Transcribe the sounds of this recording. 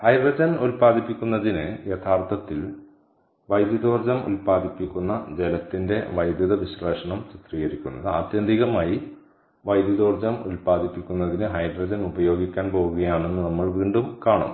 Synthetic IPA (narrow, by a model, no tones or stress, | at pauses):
hɐjdrɐd͡ʑɐnulpaːd̪ipːikʲːunːɐðinɨjɐt̪ʰaːrt̪ʰɐt̪ːil | ʋɐjd̪jɐðo̞ːrd͡ʑɐmṵlpaːd̪ʱipːikʲːunːɐd͡ʑe̞lɐt̪ːinde̞ʋɐjd̪jɐðɐʋiɕreːʂɐɳɐmt͡ɕit̪riːɣɐɾikʲːunːɐðɨa̰ːt̪jɐnd̪ʱiɣɐmaːji | ʋɐjd̪jɐðo̞ːrd͡ʑɐmṵlpaːd̪ipːikʲːunːɐðinɨɦɐjdrɐd͡ʑɐnubɐjo̞ːɡikʲːaːnpo̞ːɣuɣɐjaːɳe̞nːɨnɐmːɐɭʋiːɳɖumkaːɳɐ̰m